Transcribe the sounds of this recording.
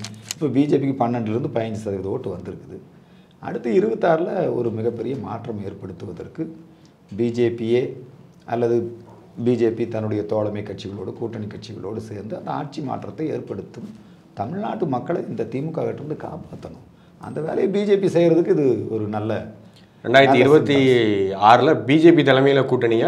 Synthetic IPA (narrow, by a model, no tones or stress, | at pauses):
ɪpːoːbiːd͡ʒeːp̬ikːɯpɐɳːɐɳɖlɪɾɯnd̪ɯpɐjɐɲd͡ʒɯsɐðɐkɐðoːʈːɯʋɐnd̪ɪɾɯkːɐðɯ | ʔɐ̰ɽɯt̪ːɐɪɾɯʋɐt̪ːaːɾɪlɐɔ̰ɾɯmɪɣɐpːɛɾɪjɐmaːʈrɐmeːrpɐɽɯt̪ːɯʋɐðɐ̰rkːɯ | biːd͡ʒeːpijeː | ɐlːɐðɯ | biːd͡ʒeːpit̪ɐnːɯɽɐjɐt̪oːɭɐmɐɪkːɐʈ̚t͡ʃɪɣɐɭoːɽɯkuːʈːɐɳɪkːɐʈ̚t͡ʃɪɣɐ̰ɭoːɽɯseːɾnd̪ɯɐnd̪ɐa̰ːʈ̚t͡ʃima̰ːʈrɐt̪ːɐɪḛːɾpɐɽɯt̪ːɯm | t̪ɐmɪɻnaːʈːɯmɐkːɐɭɪnd̪ɐt̪iːmɯkːaːɣɐɪʈːɾɯnd̪ɯka̰ːpaːt̪ːɐnʊ̃ | ʔɐ̰nd̪ɐʋḛːlɐjebiːd͡ʒeːpisɛːjɾɐðɯkːɪðɯɔɾɯnɐlːɐ | ɾɛ̰ɳɖaːjɐɾt̪ːiɪɾɯbɐt̪ːiaːɾɯlɐbiːd͡ʒeːp̬it̪ɐlɐmɐjɪlɐkuːʈːɐɳɪja